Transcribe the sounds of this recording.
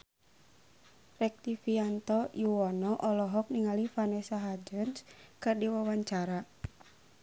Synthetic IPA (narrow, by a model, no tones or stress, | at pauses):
rɛk̚t̪ifiant̪ɔjuɔnɔʔɔlɔɦɔk̚niŋalifanɛsaɦad͡ʒənskɨrdiwawaɲt͡ʃaɾa